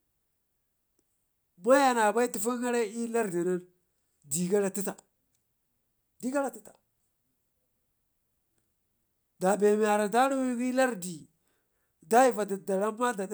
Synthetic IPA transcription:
ma˦ja˨na˨ba˦i˦ti˨fu˦ɡa˦ɾa˦i˦la˦ɾdi˨na˦n | di˨ɡa˦ɾa˨ti˦ta˨ | di˦ɡa˦ɾa˨ti˦tḁ˨ | da˨be˨m˨a˨ɾa˨da˦ɾu˦wi˦ɡi˦la˦ɾdi˨ | da˦ji˨va˨da˨da˨ɾa˦ma˦da˨d

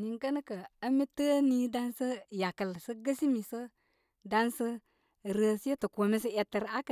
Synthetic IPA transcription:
ni˨ŋ˦kə˦nə˦kə˨ə˦mi˦təː˦ni˦da˦n˦sə˦ja˨kə˨lsɨ˦ɡə˦si˦mi˨sɨ˦ | da˦n˦sɨ˦ | ɾə˨si˦e˦tɨ˨ko˨mi˦sɨ˦ɛ˨˧tə˨ɾa˦k

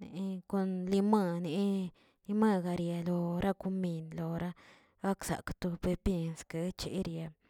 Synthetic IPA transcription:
nḛ˨˦ko˧nli˧ma˧ne˨˧ | li˧ma˦ɡa˨ɾja˧lo˧ɾa˦ku˦mi˧nlo˨ɾa˦ | ɡa˦ksa̰˨kt̪u˧be˧pje˧nske˧˦t͡ʃḛ˨˦ɾja˨

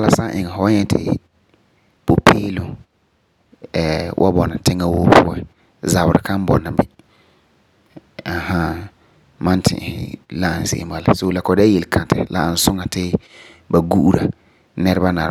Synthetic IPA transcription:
a˦la˦sa˦ʔɪ˨ŋɛ˨fɔ˦ɲɛ˦tʰɪ̰˨ | po˨pʰeː˦lʊ˦ | ɛ˨wʔa̰˦bɔ˨na˨tɪ˦ŋa˦woː˦pʰʊ˦ɛ˦ | za˨bʊ˨ɾɪ̰˨kã˦m˦bɔ̰˨na˨bi˦ | a˨ha˦ | mã˦ntʰɪ̰̃˨hɪ̰˨la˦˨n˨sɪ̰˨˦a˨la̰˨so˦la˨kɔ˨daː˦je˨lkʰã˨tɪ̰˨la̰˨n̩˨˦sʊ˦ŋa˨tɪ˦ | ba˨ɡu˦ʔu˦ɾa˨ | nɛ˦ɾɪ˦ba˦na˨ɾ

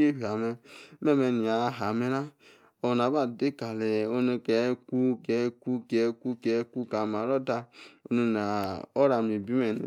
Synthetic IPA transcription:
e˦ɦa˨mɛ˧me˦˨me˧˨ni˨a˨˦ɦa˨me˦ɾa˦ | o˨na˨˦ba˦˨de˦ka˨le˨o˦no˧kɛ˨˦ku˦kɛ˨˦ku˦kɛ˨˦ku˦kɛ˨˦ku˦ka˨ma˨ɾɔ˦da˧o˦nu˧˨na˨o˦ɾa˨mi˨bi˦me˨n˨

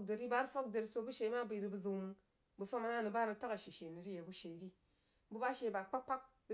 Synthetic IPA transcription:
de˨ɾi˦ba˦ɾfo˦k̚de˨ɾi˦so˧bu˦ʃe˨˦ma˦bɨ˦˨ɾi˧bɨ˨zu˨mɨ˨ŋ | bu˨fa˦ma˦na˦nɨ˨ba˦nɨ˧ta˦ka˨ʃi˨ʃe˨ni˨ɾi˦je˨bu˦ʃe˨˦ɾi˦ | bu˦ba˦ʃe˨ba˨k͡pa˦k͡pa˦k̚ | ɾ

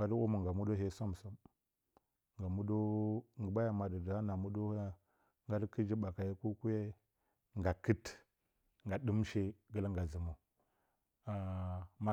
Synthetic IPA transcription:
a˦du˦mu˨ŋɡa˨mu˦do˦ɦe˦sa˦m˨su˦m | ŋɡa˨mu˦do˦ŋɡə˨ba˦ja˨ma˨di˨da˦na˨mu˦do˦ | ŋɡa˦dki˦d͡ʒi˦ba˨ka˨je˦ku˦ku˦je˦ | ŋɡa˨kə˦t | ŋɡa˨di˦m˦ʃe˦ɡə˦lŋɡa˨zi˨mu˨ | a˨ma˦

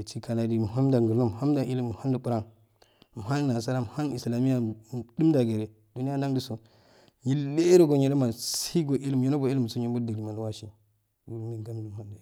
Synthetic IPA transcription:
t͡ʃi˦ka˨na˨di˨m˨ɦa˦mda˨ŋɡu˨lo˦m˨a˦mda˨ʔi˦lm˨ha˦n˦du˨pu˦ɾa˦n | m˨ɦa˦n˦na˨sa˦ɾa˦m˨ha˦ni˨sla˨mi˦ja˨du˦mda˨ɡe˨ɾe˨ | d̥u˨ni˦ja˦n˦a˦ŋdi˦so˨ | ɲi˦le˦ɾo˦ɡo˨ɲi˨˦do˦ma˨ssi˦ɡo˨ʔi˦lm˨ji˦no˦bo˨i˦li˦m˨su˦ɲi˦mbu˦da˨ɾi˨ma˨n˦wa˦ʃi˨ | wu˨˦mi˨ɡa˦m˦di˨m˨ha˦mda˨

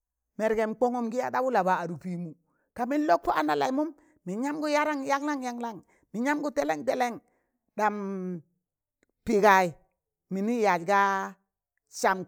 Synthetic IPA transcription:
me˨ɾɡe˨m˨k͡po˦ŋo˦mɡi˦ja˦da˦bu˦la˨ba˨a˨ɾu˨pi˨mu˨ | ka˨mi˦n˦lo˦k̚po˦a˦na˨la˨i˨mu˦m | mi˨ɲa˦mɡu˦ja˦ɾa˦ŋja˦ŋla˦ŋja˦ŋla˦ŋ | mi˨ɲa˦mɡu˦te˦le˦ŋte˦le˦ŋ | ɗa˨m | pi˨ɡa˨i˨ | mi˨ni˦ja˨lɡa˦ | ʃa˨m

